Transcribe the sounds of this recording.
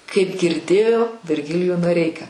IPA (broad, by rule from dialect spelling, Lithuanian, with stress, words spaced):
kɐɪp ɡʲɪrʲˈdʲeːjoː ʋʲɪrʲˈɡʲɪlʲɪjuː noːˈrʲɛɪkɑː